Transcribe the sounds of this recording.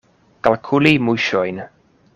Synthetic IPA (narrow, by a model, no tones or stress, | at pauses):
ɡ̥alˠkʰʊlimʊjʃɔjn